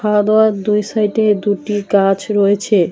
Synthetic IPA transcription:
ad̪oaɾd̪ujsajʈed̪uʈikat͡ɕɾɔet͡ɕʰe

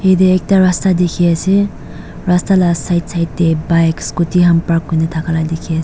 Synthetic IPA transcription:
hedeek̚taɾastadekʰiase | ɾastalasajtsajt̚ːebajkskutiɦampak̚ːujnatʰakʰaladekʰias

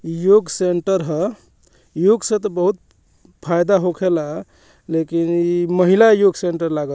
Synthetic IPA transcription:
joɡseɳʈəɾɦə | juɡsə̃t̪ɔbəɦut̪̚ | pʰajd̪aɦokʰela | lekiniməɦilajoɡseɳʈəɾlaɡə

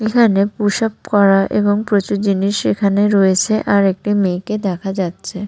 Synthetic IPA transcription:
ekʰanepuʃap̚kɔɾaʔeboŋpɾot͡ɕuɾd͡ʑiniʃḛkʰaneɾoet͡ɕʰeʔaɾek̚ʈimeked̪ɛkʰad͡ʑatːɕʰe

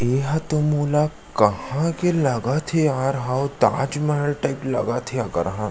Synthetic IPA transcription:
eːɦɐt̪omoːla | kɐhãkelɐɡat̪ʰeaːɾɦawd̪aːd͡ʒmɛəlʈaɪplɐ̰ɡat̪ʰeakɐ̰ɾɦã

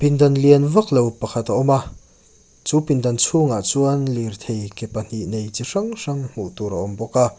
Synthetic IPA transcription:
pind̪ɐnliɐnvɐk̚lowpɐkʰɐt̪aʔɔma | t͡suːpind̪ɐnt͡sʰuŋaʔt͡suɐnlirt̪ʰejkɛpɐn̥iʔnejt͡siʂɐŋʂɐŋm̥uʔt̪uɾɐʔɔmbɔka

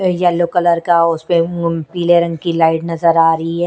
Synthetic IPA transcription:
jɐloːkələɾkaʊspepiːleɾɐ̃ŋɡ̚kilaːɪʈnɐzəɾaːɾɐɦiɦɛː

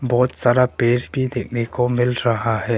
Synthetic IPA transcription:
bɔːt̪saɾapeːɾkid̪eknekomɪlɾəɦaɦɛ

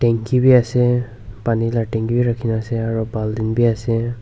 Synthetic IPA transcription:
ʈɛŋkibiasɛ | panilaʈɛ̃ŋkibiɹakʰinaːsɛaɹubʱaldinbiasɛ

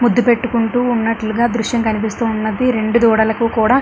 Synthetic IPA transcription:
mud̪ːupe̞ʈːukuɳʈuːnːɐʈluɡaːd̪ɾuʂjɐmkɐnipist̪uːnːɐd̪iɾe̞ɳɖud̪uːɽɐlɐkukuːɽaː

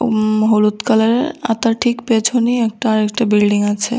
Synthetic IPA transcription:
ɦolut̪kaleɾa̰t̪aɾʈʰikpet͡ɕʰoniɛk̚ʈaɾɛk̚ʈabilɖiŋat͡ɕʰḛ

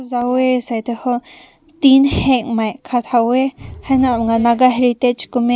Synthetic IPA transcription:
zawesajt̪eho | t̪inheŋmãjkʰat̪hawehanãmŋɡanaɡaɦeɾit̪et͡ʃkume

